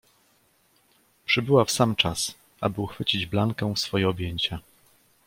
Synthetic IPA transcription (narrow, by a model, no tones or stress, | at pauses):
pʂɘbɘwafsamt͡ʂas | ʔa̰bɘuxfɘt͡ɕid͡ʑblaŋkɛsfɔjɛɔbʲjeɲt͡ɕa